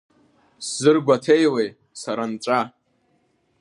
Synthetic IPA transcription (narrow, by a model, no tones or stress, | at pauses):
sz̥ɨrɡʷatʰejle̞j | saɾanʈ͡ʂʷʼa